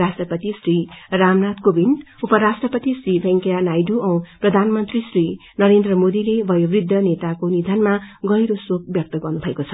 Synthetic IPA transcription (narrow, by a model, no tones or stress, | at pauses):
ɾasʈrʌpʌt̪isriramnat̪kobin | upʌɾasʈrʌpʌt̪isribʱʌ̃ŋkejanajduʔʌ̃wprʌd̪ʱanmʌnt̪risri | nʌɾend̪rʌmod̪ilebʱʌjobrid̪ʱːʌnet̪akonid̪ʱanmaɡʌjɾosok̚bjʌk̚t̪ʌɡʌrnubʱʌekot͡sʰʌ